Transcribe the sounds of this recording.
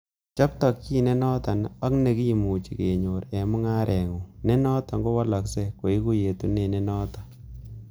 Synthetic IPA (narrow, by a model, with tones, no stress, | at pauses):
t͡ʃa˦p̚tɔ˨kːi˦˨ne˦nɔ˦ta˨na˦kne˨ki˦i˨mu˨t͡ʃi˨ke˨ɲo˨ɾɛ˨mʊ˦ŋa˦ɾʔɛ˨ŋu˨ne˦nɔ˦ta˨ŋɡo˦wa˦la˨kse˦ko˨i˦ku˦je˨tu˦ne˨ne˦nɔː˦ta˨